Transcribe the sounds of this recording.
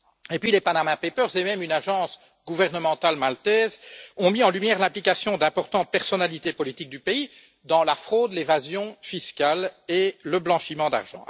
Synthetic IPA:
epɥilepanamɛ̃pepœʁzemɛmynaʒɑ̃s | ɡuvɛʁnəmɑ̃t̪almalt̪ɛːzɔ̃miɑ̃lymjɛːʁlɛ̃plikasjɔ̃d̪ɛ̃pɔʁt̪ɑ̃t̪̚pɛʁsɔnalit̪epɔlit̪ik̚d̪ypei | d̪ɑ̃lafχoːd̪levazjɔ̃fiskʲaleləblɑ̃ʃimɑ̃d̪a̰ʁʒɑ̰̃

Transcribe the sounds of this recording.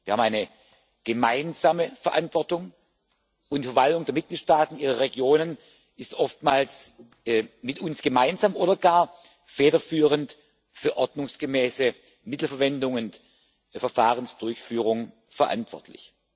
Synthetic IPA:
viːɐhabm̩aɪnə | ɡ̥əmaɪnzaːməfɛɐʔa̰ntv̥ɔɐtʊŋ | ʊntfɛɐvaltʊŋdeːɐmɪt̚ɡ̥liːtʃtaːtn̩ʔiːʁɐʁeɡjoːnən | ʔɪstʔɔftmaːls | mɪtʊnsɡ̥əmaɪnzaːmʔoːdɐɡaːɐ | fɛːdɐfyːʁ̞ənt | fyːɐʔɔɐdnʊŋsɡ̥əmɛːsə | mɪtl̩fɛɐvɛndʊŋʊnt | fɛɐfaːʁ̞ənsd̥ʊɐçfyːʁ̞ʊŋ | fɛɐʔa̰ntv̥ɔ̰ɐtʰlɪ̰ç

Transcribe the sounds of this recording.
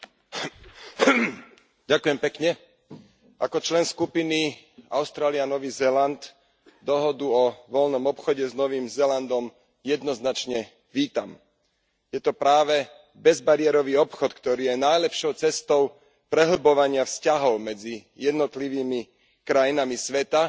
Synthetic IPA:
ɟakujɛmpɛkɲɛ | ʔa̰kɔt͡ʃlɛnskupini | a̰ʊst̪ɾaːlianɔʋiːzɛland̪ | d̪ɔɦɔd̪uɔʋɔlnɔmɔpxɔɟɛznɔʋiːmzɛland̪ɔm | jɛd̪nɔznat͡ʃɲɛ | ʋiːt̪a̰m | jɛt̪ɔpɾaːʋɛ | bɛzbaɾɪɛɾɔʋiːɔpxɔt̪kt̪ɔɾiːjɛnajlɛpʃɔʊt͡sɛst̪ɔʊ | pɾɛɦl̩bɔʋaɲɪafscaɦɔʊmɛd͡zijɛd̪nɔt̪liʋiːmi | kɾajinamisʋɛt̪a

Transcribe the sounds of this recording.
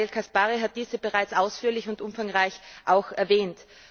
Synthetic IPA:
elkʰaspaːʁiɦat̚d̥iːzəb̥eʁaɪt͡saʊsfyːɐlɪçʊntʔʊmfaŋʁaɪçʔaʊxɛɐvɛːnt

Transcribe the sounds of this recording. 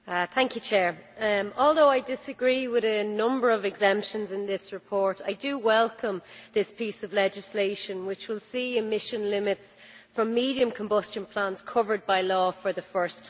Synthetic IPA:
θæ̃ŋkjɨt͡ʃʰɛːɹɔːlˠðoʊaɪdɪsəɡɹiːwɪðənʊ̃mbə˞ʌvɪɡzɛ̃mpʃə̃nzɪ̃nðɪsɹɪpʰɔɹɾa̰ɪdəwɛlˠkə̃mðɪspisəvlɛd͡ʒɪsleɪʃə̃nwɪt͡ʃwɪlˠsiːɪmɪʃə̃nlɪmɪts | fɹə̃mːiːɾiə̃mkʰə̃mbʊst͡ʃə̃npʰl̥ãnz̥kʰʊvə˞d̚baɪlɔːfə˞ðəfɜ˞stʰ

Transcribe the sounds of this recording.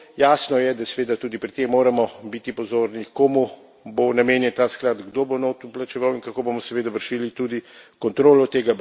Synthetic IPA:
jaːsnɔjɛd̪asɛʋeːd̪at̪uːd̪ipɾit̪ːemːoːɾamɔbit̪ipɔzoːɾnikomu | bonameːnjɛnt̪aːsklad̪ɡd̪obonot̪uplat͡ʃɛʋawinkakoːbomɔsɛʋeːd̪aʋəɾʃilit̪ud̪ikɔnt̪ɾoːlɔt̪eːɡa

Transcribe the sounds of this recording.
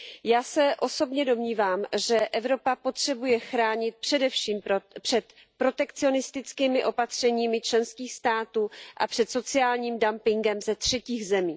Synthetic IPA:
jaːsɛʔo̞so̞bɲɛdo̞mɲiːvaːmʒɛʔɛvɾo̞papo̞t̪r̝̥ɛbujɛxɾaːɲɪt̪̚pr̥ɛdɛfʃiːmpr̥ɛt̪ | pɾo̞t̪ɛkt͡sɪo̞nɪst̪ɪt͡skiːmɪʔo̞pat̪r̝̥ɛɲiːmɪt͡ʃlɛnskiːxst̪aːt̪uːʔa̰pr̝̥ɛt̪so̞t͡sɪaːlɲiːmdampɪŋɡɛmzɛt̪r̝̥ɛciːɣzɛmiː

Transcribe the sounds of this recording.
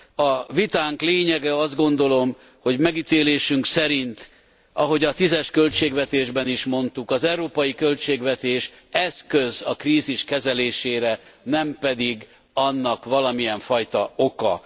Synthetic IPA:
ɒvit̪aːŋkleːɲɛɡɛɒzd̪ɡo̞nd̪o̞lo̞m | ho̞ɟmɛɡit̪eːleːʃyŋksɛɾint̪ | ɒɦo̞ɟɒt̪izɛʃkø̞lt͡ʃeːɡvɛt̪eːʒbɛniʃmo̞nt̪ukɒzɛwɾoːpɒjikø̞lt͡ʃeːɡvɛt̪eːʃ | ɛskøzɒkriːziʃkɛzɛleːʃeːɾɛnɛmpɛd̪iɡ | ɒnːɒkʋɒlɒmijɛɱfɒjt̪ɒo̞kɒ̰

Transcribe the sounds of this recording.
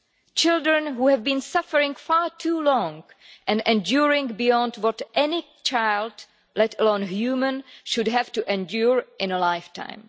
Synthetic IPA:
t͡ʃɪldɹə̃nɦuːhɛvbĩnsafəɹɪ̃ŋfaːtʰuːlɔ̃ŋ | ʔɛ̃nɛ̃ndjuɹɪ̃ŋɡbijɔ̃ndwɔtʔɛnɪ | t͡ʃaɪld | lɛtəlõnhjumə̃nʃʊdɦɛvtuʔɛ̃ndjuɹʔɪ̃nəlajftʰã̰ɪ̃m

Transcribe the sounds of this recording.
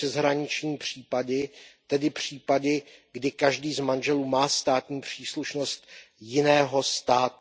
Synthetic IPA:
ɛzɦɾaɲɪt͡ʃɲiːpr̝̥iːpadɪt̪ɛdɪpr̝̥iːpadɪɡdɪkaʒdiːzmanʒɛluːmaːst̪aːt̪ɲiːpr̥iːsluʃno̞st̪ | jɪnɛːɦo̞st̪aːt̪

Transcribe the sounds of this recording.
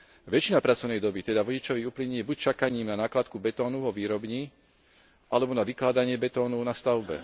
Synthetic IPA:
ʋɛt͡ʃinapɾat͡sɔʊnɛjd̪ɔbit̪ɛd̪aʋɔɟit͡ʃɔʋiuːpliɲijɛbuct͡ʃakaɲiːmnanaːklat̪̚kubɛt̪ɔːnuvɔʋiːɾɔbɲi | ʔalɛbɔnaʋiklaːd̪aɲɪɛbɛt̪ɔːnuʊnast̪aʊbɛ̰

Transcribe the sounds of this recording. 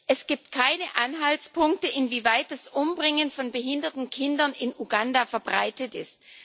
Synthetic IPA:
ʔɛsɡ̥iːp̚tkʰaɪnəʔanɦaltspʰʊŋk̚təʔɪnviːvaɪt̚d̥asʔʊmbʁɪŋənfɔnbəɦɪndɐtn̩kʰɪndɐnɪnʔuɡandafɛɐbʁaɪtətɪ̰st̚

